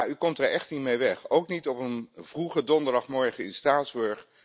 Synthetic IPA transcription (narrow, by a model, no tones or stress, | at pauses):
jaykɔmtaɹɛχtnitmejʋɛχowknitɔpənv̥ruχədɔndəɹdɑχmɔɹχəɪnstraːzbøɹχ